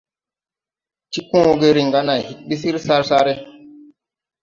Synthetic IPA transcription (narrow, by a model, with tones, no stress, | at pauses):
t͡ʃi˦kũ˦o˦ɡe˦ɾi˨ŋɡa˦na˨hi˨t̚ɓi˦si˦ɾsa˦ɾsa˦ɾe˦